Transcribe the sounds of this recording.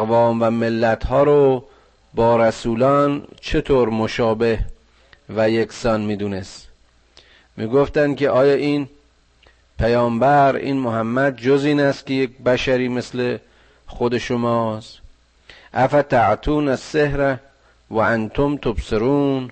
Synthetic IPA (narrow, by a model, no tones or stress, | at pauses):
vɒːmvæmelːæt̪hɒːɾo | bɒːɾæsuːlɒːnt͡ʃʰe̞t̪ʰoːɾmoʃɒːbe̞h | væjeksɒːnmiːd̪uːnes | miːɡoft̪ænd̪̚kʲʰeʔɒːjɒːʔin | pʰæjɒːmbæɾḭːnmoɦæmːæd̪̚d͡ʒoziːnæst̪̚kʲʰejek̚bæʃæɾiːmesle | χod̪e̞ʃomɒːs | ʔæfæt̪æʕt̪ʰuːnæsːehɾæ | væʔænt̪ʰomt̪ʰobseɾuːn